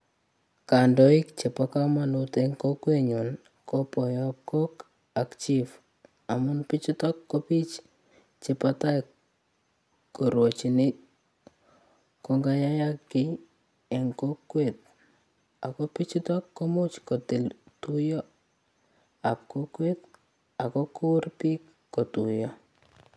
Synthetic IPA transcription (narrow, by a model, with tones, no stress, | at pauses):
ka˨ndɔ˨i˦kt͡ʃe˨paka˦ma˨nuteŋko˦kwe˦ɲu˨n | ko˦pɔ˨jɔap̚ko˦k | a˨kt͡ʃi˦f | a˨mʊ˦npi˦t͡ʃi˦tɔ˦kːo˦pi˦t͡ʃ | t͡ʃe˨pa˦ta˦j | ko˨ɾwo˨t͡ʃi˨nɪ˦ | kɔ˨ŋɡa˦ja˦ja˦kːɪ˦ | ɛ˨ŋko˦kːwet̪̚ | a˨kɔ˦pi˦t͡ʃi˦tɔ˦kːo˦mʊ˦t͡ʃkɔ˨tɪ˨ltu˦jɔ˦ | a˨p̚ko˦kwe˦t̪ | a˨kɔ˦ku˦ʊ˦rpi˦k | kːo˨tu˨jɔ˦